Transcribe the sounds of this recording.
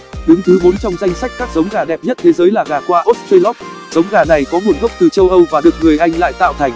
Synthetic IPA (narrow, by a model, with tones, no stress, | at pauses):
ɗʊ˨˦ŋ͡mt̪ʰɨ˨˦mo˨˦nt͡ɕɔ˧wŋ͡mza˧jŋ̟sa˦˥jk̟̚kaː˦˥k̚zə˨˦wŋ͡mɣaː˨˩ɗɛ˨˩p̚ɲə˦˥t̚t̪ʰe˨˦zəː˨˦jlaː˨˩ɣaː˨˩kwaː˧ʔo˦˥t̚twi˧lɔ˦˥p̚ | zə˨˦wŋ͡mɣaː˨˩na˨˩jkɔ˨˦ŋu˨˩ənɣə˦˥wk͡p̚t̪ɨ˨˩t͡ɕə˧wʔə˧wvaː˨˩ɗɨ˨˩ək̚ŋɨ˨˩əjʔa˧jŋ̟la̰ː˧˨jt̪a̰ː˧˨wt̪ʰa˨˩jŋ̟